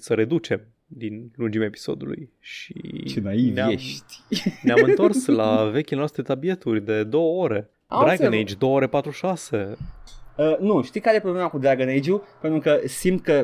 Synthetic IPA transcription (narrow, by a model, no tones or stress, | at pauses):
səɾe̞d̪ut͡ʃe̞m | d̪inlund͡ʒimʲaepi̥so̞̰d̪ulṵj | ʃḭt͡ʃenainveaeʃt̪ʲneamɨnt̪o̞rslave̞kʲilenoast̪ɾet̪abie̞t̪urʲd̪e̞d̪o̞wəo̞ɾe̞ | a̰baɡnnejd͡ʒd̪o̞wəoɾe̞pat̪ɾuʃase̞ | ənuʃt̪ijkaɾjepɾoblemakud̪ɾaɡnejd͡ʒupent̪ɾukəsimt̪̚kə